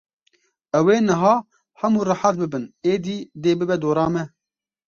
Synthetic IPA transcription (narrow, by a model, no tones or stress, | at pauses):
ɛweːnɨɦɑː | hɛmuːrɨħat̪̚bɨbɨneːd̪iːd̪eːbɨbɛd̪oːɾɑːmɛ